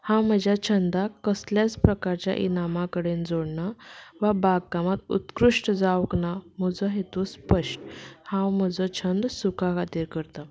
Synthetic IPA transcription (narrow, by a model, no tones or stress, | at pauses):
hãwm̤əd͡ʑʱjat͡ɕʰənd̪akəsljat͡spɾəkaɾt͡ɕja̰ʔinamakəɽend͡zoɽɳaʋabaɡ̚kamat̪ṵt̪kɾuʂʈd͡zawknam̤əd͡zɔɦet̪uspəʂʈhãwm̤əd͡zɔt͡ɕʰənd̪sukʰakat̪iːɾkəɾt̪a